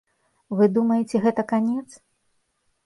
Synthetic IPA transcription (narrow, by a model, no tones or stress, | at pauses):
vɨd̪umɐjet͡sʲɛɣɛt̪ɐkanʲɛt̪s